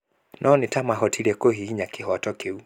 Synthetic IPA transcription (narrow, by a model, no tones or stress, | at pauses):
nʔɔnitamaɦɔtʰiɾɛkoɦiiɲakiɦɔatɔkeu